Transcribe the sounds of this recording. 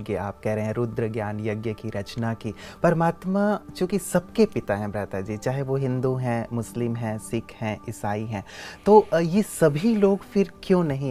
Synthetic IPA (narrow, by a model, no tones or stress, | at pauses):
ɡjea̰ːp̚kɛɦɾeɦeɦɛ̃ɾʊd̪ɾəɡjaːnjɐɡjəkiɾɐt͡ʃnakipɐɾɐmaːt̪mat͡ʃjõːkisɐbkepɪt̪aɦɛ̃bɾaːt̪ad͡ʒiːt͡ʃaːɦeʋoɦɪ̃nd̪uɦɛ̃mʊslɪmɦɛ̃sɪkʰhɛ̃ʔɪsaːiɦɛ̃ːt̪oːjesɐbʱiloːɡfɪɾkjõːnɐɦĩ